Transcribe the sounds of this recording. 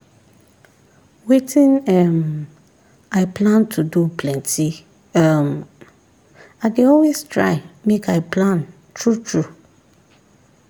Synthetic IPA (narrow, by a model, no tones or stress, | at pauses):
wetʰĩnɛm | aɪpʰlãntʰudupʰlɛ̃ntʰi | ɛm | aɪdeɔlwestɹa̰ɪmekʰaɪplãn | tʰɹutʰɹu